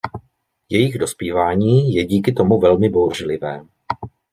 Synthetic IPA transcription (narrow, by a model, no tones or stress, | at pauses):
jɛjɪɣdo̞spiːvaːɲiːjɛɟiːkɪt̪o̞muvɛlmɪbo̞wr̝lɪvɛː